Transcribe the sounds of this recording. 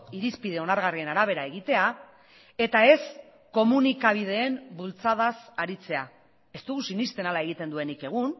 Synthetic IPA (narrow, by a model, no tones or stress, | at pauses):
iɾispið̞e̞o̞naɾɣarie̞naɾaβ̞e̞ɾae̞ɣ̞it̪e̞a | e̞t̪ae̞s | ko̞munikaβ̞iðe̞ːmbult͡sað̞asaɾit͡se̞a | e̞st̪uɣusinist̪e̞nalae̞ɣ̞it̪e̞nd̪ue̞nike̞ɣ̞un